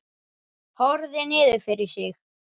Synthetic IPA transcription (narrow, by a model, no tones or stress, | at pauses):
hɔɾðɛnɪːðʏfɪɾɪɾ̥sɪx